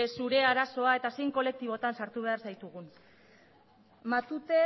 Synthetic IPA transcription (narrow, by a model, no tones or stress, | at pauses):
suɾe̞aɾaso̞ae̞t̪asejŋko̞le̞k̚t̪iβ̞o̞t̪ansaɾt̪uβe̞aɾsajt̪uɣ̞un | mat̪ut̪e̞